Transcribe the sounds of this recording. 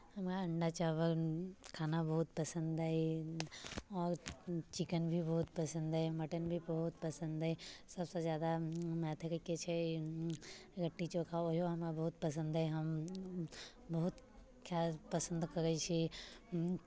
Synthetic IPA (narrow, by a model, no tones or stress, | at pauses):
hɐmkaɐ̃ɳɖat͡ʃaːʋəɾkʰaːnabɐɦʊt̪̚pɐsə̃nd̪ae | ɔːɾt͡ʃɪkənbʱibɐɦʊt̪pɐsə̃nd̪emɐʈənbʱibɐɦʊt̪pɐsə̃nd̪ɛsɐbsezjaːd̪amɛːt̪ʰəkəket͡ʃʰe | ɾɐʈːit͡ʃokʰaojoɦɐmkabɐɦʊt̪̚pɐs̬ə̃nd̪ɛɦɐm | bɐɦʊt̪ | kjaːlpɐsə̃nd̪kɐɾət͡ʃʰi